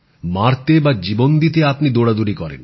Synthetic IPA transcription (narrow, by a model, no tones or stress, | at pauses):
maɾt̪ebad͡ʑibond̪it̪̬eapnid̪oɽad̪uɾikɔɾḛn